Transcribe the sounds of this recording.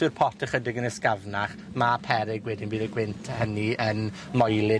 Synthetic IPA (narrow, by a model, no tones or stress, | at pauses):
ɨrpʰɔtʰɛχədɪɡənəskavnaχ | mapʰɛɾɪɡwɛdɪnbiːðəɡwɪntʰhəniən | mɔjlˠɪ